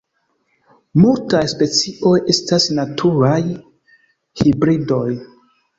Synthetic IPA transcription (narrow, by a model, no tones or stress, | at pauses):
multajspe̞t͡siʔo̞je̞stasnatʰuɾaj | hibɾido̞j